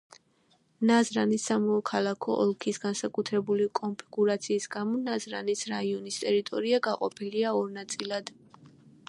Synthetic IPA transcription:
nazɾanisːamɔːkʰalˠakʰɔʔɔlˠkʰisɡansakʼut̪ʰɾɛbulikʼɔmpʰiɡuɾat̪sʰiːsɡamɔnazɾa̰nisɾaiɔnist̪ʼɛɾit̪ʼɔɾiaɡaqʼɔpʰiliaɔɾnat̪sʼilˠad̪̥

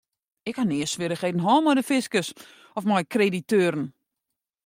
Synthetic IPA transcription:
ɪkhanɪːəsʋɪɾəχedn̩ɦɔːlˠmɔjdəfɪskəs | ɔfmɔjkreditøːɾən̩

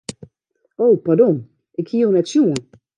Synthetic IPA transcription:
oːpadon | ʔɪkhiəwnɛtsjuən

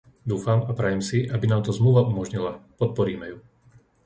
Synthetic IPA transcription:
d̪uːfamapɾɛjɛmsiʔabinaːmt̪ɔzmluʋaʔumɔʒɲilapɔt̪̚pɔɾiːmɛju

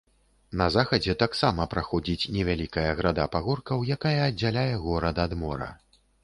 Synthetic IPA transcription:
nɐzaxɐd͡zʲɛt̪aksamɐpɾaxɔd͡zʲit͡sʲnʲɛvʲalʲikɐjɐɣɾad̪apaɣɔrkɐwjakajɐːd͡zʲːalʲajɛɣɔɾɐd̪ad̪mɔɾɐ̰

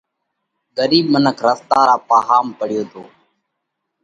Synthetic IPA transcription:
ɡəɾiːɓ̚mənəkʰɾəst̪aːɾaːpaːɦaːmpəɽɪjoːt̪ʰoː

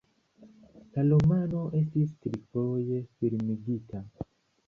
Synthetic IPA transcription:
kalomanoʔesistiɾikojefiɾimiɡitʰa

